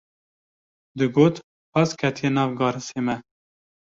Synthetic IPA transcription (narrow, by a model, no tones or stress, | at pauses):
d̪ɨɡoːt̪ | ɑskʰɛt̪ʰijenɑːvɡɑːɾɨseːmɛ